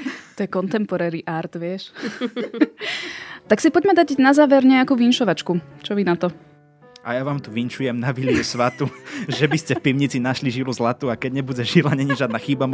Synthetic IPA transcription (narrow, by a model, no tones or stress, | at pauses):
t̪ɔjɛkɔnt̪ɛmpɔɾɛːɾiʔaɾt̪ʋɪɛʃ | t̪aksipɔɟmɛd̪aɟnazaːʋɛɾɲɛakuːʋinʃɔʋat͡ʃkut͡ʃɔʋinat̪ɔ | ajaʋaːmt̪uʋinʃujɛmnaʋiliusʋat̪uʒɛbiscɛfpiʊɲit͡sinaʃliʒiluzlat̪uːakɛɟɲɛbuɟɛʒilaɲɛɲɛʒjad̪naxibamɔ